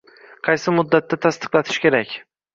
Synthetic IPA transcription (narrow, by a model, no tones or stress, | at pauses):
qʰɑjsɪmʊd̪ːat̪ːat̪ʰast̪ɨ̥qlˠat̪ʰɪ̥ʃkʲe̞ɾakʲ